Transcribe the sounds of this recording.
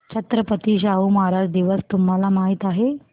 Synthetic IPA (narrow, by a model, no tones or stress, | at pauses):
t͡ɕʰət̪ɾəpət̪iɕaumɦaɾad͡ʑd̪iʋəst̪umɦalamaɦit̪aɦe